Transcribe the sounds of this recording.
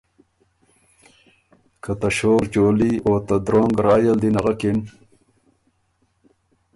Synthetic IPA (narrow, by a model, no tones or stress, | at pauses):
kʰət̪aɕoːɾd͡ʑoːliot̪ad̪ɾoːŋɡɾɑːjəld̪inaɣakin